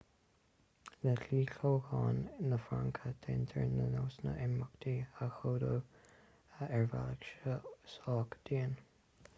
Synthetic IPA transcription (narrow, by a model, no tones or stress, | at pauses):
ləɬiːɬoːhɑːnːəfɹaŋkʰət̪ʰɛnt̪ʰəɹnənoːsnə̰ʔɛməkd̪ʰiəxoːdo | ɛɹva̰ləkʃəsɑːkd̪̥iːən